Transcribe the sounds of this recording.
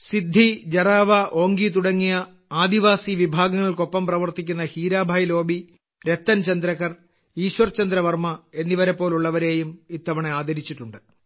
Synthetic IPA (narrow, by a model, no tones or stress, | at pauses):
sid̪ʱːid͡ʑɐraːʋɐʔo̞ːŋɡit̪uɽɐŋːijɐ | aːd̪iʋaːsiʋibʱaːɡɐŋːɐɭko̞pːɐmprɐʋɐrt̪ikʲːunːɐhiːɾaːbʱaːjlo̞ːbʱi | ɾe̞t̪ːɐnt͡ɕɐnd̪ɾɐkːɐr | iːɕʋɐrt͡ɕɐnd̪ɾɐʋɐrmɐe̞nːiʋɐɾepːo̞ːluɭːɐʋɐɾe̞ːjumit̪ːɐʋɐɳeaːd̪ʱɐɾit͡ɕːiʈːuɳɖɨ